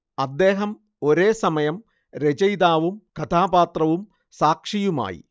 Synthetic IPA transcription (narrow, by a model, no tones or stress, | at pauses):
ɐd̪ːe̞ːɦɐm | o̞ɾe̞ːsɐmɐjɐm | ɾed͡ʑɐjd̪aːʋumkɐt̪ʰaːbaːt̪rɐʋum | saːkʂijuma̰ːjḭ